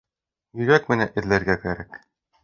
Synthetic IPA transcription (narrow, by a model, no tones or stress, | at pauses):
jɵ̆ɾækmɘ̆næʔɘ̆ðlæɾɡækæɾæk